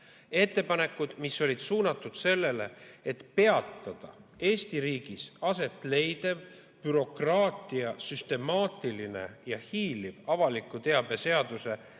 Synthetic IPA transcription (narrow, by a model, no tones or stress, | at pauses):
e̞t̪ˑːe̞pɑne̞kːˑud̪̥misːo̞lid̪̥suːnɑt̪ːˑud̪̥se̞lːe̞le̞̰et̪pe̞ɑt̪ːˑɑd̪̥ɑ̰e̞ːst̪iɾiːɡ̥isɑse̞t̪ːˑle̞jd̪̥e̞v | pyɾo̞krɑːt̪ˑiɑsyst̪e̞mɑːt̪ˑiline̞̰jɑhiːlivɑvɑlikːˑut̪e̞ɑb̥e̞se̞ɑd̪use̞